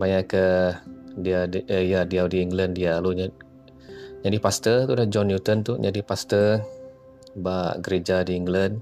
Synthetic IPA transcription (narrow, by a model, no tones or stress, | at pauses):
baɲaʔkə | diaəjadiawdiiŋɡləndialuɲa | ɲadipast̪ət̪udad͡ʒɔnjut̪ənt̪uɲadipast̪ə | baʔɡəɾed͡ʒadiiŋɡlən